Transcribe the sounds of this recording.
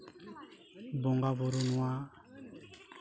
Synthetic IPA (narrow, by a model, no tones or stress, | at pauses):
boŋɡaβuɾunwa